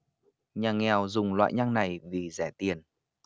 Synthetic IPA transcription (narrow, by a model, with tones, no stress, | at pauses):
ɲaː˨˩ŋɛ˨˩wzʊ˨˩ŋ͡mlwa̰ː˧˨jɲa˧ŋna˨˩jvi˨˩zɛ˧˩t̪i˨˩ən